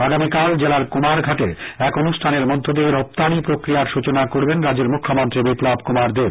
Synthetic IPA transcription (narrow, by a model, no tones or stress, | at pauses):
aɡamikald͡ʑelaɾkomaɾɡʱaʈeɛkonuʃʈʰaneɾmɔd̪ʱod̪eeɾɔp̚t̪anipɾokɾijaɾʃut͡ɕonakoɾbenɾad͡ʑeɾmukʰːomɔnt̪ɾibiplabkomaɾd̪eɾ